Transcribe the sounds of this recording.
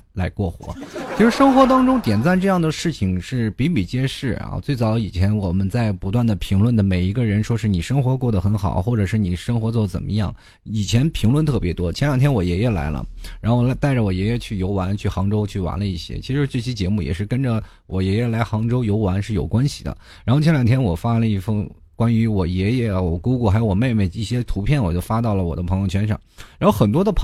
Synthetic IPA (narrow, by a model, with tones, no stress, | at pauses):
la˧˥ɪkwɔ˥˩xwɔ̰˧˥t͡ɕʰi˥ʂɻ̩˥ʂɤ˥ŋxwɔ˧˥t̪ɑ˥ŋʈ͡ʂʊ˥ŋt̪jɛ˨˩nt͡sa˥˧nʈ͡ʂɤ˥˧jɑ˥˩ŋd̪ə˩ʂɻ̩˥˩t͡ɕʰi˨˩ŋʂɻ̩˥˩pi˧˥mi˨˩t͡ɕjɛ˥ʂɻ̩˥˩ɐ̰˩t͡swe˥˩ɪt͡sɑ˧˥ʊi˨˩t͡ɕʰjɛ˧˥nwɔ˨˩mə˦nt͡sa˥˩ɪpu˧˥t̪̬wa˥˩nd̪ə˩pʰi˧˥ŋlwə˥˩nd̪ə˩me˨˩ɪi˧˥ɡə˧ɻə˧˥nʂwɔ˥ʂɻ̩˥˩ni˨˩ʂɤ˥ŋxwɔ˧˥kwɔ˥˩d̪ə˩xə˧˥nxɑ̰˨˩ʊxwɔ˥˩ʈ͡ʂɤ˨˩ʂɻ̩˥˩ni˨˩ʂɤ˥ŋxwɔ˧˥t͡swɔ˥˩d̪ə˩t͡sə̰˨˩nmʔə̰˦jɑ̰˥˩ŋ | i˨˩t͡ɕʰjɛ˧˥npʰi˧˥ŋlwə˥˧nt̪ʰɤ˥˩pjɛ˧˥t̪wɔ˥t͡ɕʰjnjɑ˨˩ŋt̪ʰjɛ˥nwɔ˨˩jɛ˧˥jɛ˥˩la̰˧˥ɪlə̰˧ɻa˧˥nxo˥˩ʊa˧t̪a˥˩ɪʈ͡ʂə˩wɔ˨˩jɛ˧˥jɛ˥t͡ɕʰy˥˩jo˧˥ʊwa˧˥nt͡ɕʰy˥˩xɑ˧˥ŋʈ͡ʂo˥ʊt͡ɕʰy˥˩wa̰˧˥nlə˧i˥˩ɕjɛ̰˥t͡ɕʰi˧˥ʂɻ̩˧˥ʈ͡ʂɤ˥˩ɕi˥t͡ɕjɛ˧˥mu˥˩jɛ̰˨˩ʂɻ̩˥˩kə˥nʈ͡ʂə˨ | wɔ˨˩jɛ˧˥jɛ˥˩la˧˥ɪxɑ˧˥ŋʈ͡ʂo˥ʊjo˧˥ʊwa˧˥nʂɻ̩˥˩jo˨˩ʊkwa˥nɕi̥˨d̪ə̰˩ | ɻa˧˥nxo˥˧ʊt͡ɕʰɛ˧˥ljɑ˨˩ŋt̪ʰjɛ˥nwɔ˨˩fa˥lə˧i˥˩fə˥˩ŋ | kwa˥ny˧˥wɔ˨˩jɛ˧˥jɛ˧˥˩wɔ˨˩ku˥ku˥˩xa˧˥ɪo˧˥wɔ˨˩me˥˧ɪme˥˩ɪi˥˩ɕjɛ˥t̪ʰu˧˥pʰjɛ˥˩nwɔ˨˩t͡ɕjo˥˧˩fa˥t̪ɑ˥˩ʊlə˩wɔ˨˩d̪ə˦pʰɤ˧˥jo˥˩ʊt͡ɕʰɥɛ˥nʂɑ̰˥˩ŋɻa˧˥nxo˥˩ʊxə˨˩nt̪wɔ˥d̪ə˨˧pʰ